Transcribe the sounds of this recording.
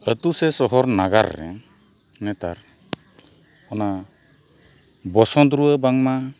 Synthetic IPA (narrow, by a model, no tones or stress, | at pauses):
ət̪usɛsɔɦɔɾnaɡa̰ɾːɛ̰ | nɛt̪a̰ɾ | ɔna | bɔsɔnd̪ɾuəbaŋma